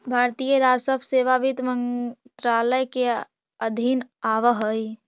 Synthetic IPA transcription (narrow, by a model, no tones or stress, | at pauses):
bʱaːɾt̪ijəɾaːsəpseːʋaʋit̪mənt̪ɾaːləjke | əd̪ʱinaːʋəɦəi